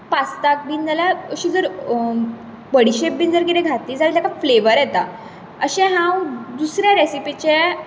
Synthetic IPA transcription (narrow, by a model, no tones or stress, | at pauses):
past̪ak̚bind̪alaəɕiːd͡zəɾ | bəɽiɕep̚bind͡zəɾɡiɾeɡʱat̪ːiːd͡zat̪akafleʋəɾjɛt̪a̰ | əɕɛ̃ɦãwd̪usɾjaɾesipit͡ɕe